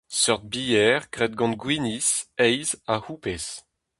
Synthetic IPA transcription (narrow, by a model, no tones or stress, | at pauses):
sœʁt̪̚bijɛʁkʁɛd̪̚ɡɑ̃nɡwinisɛjzahupɛs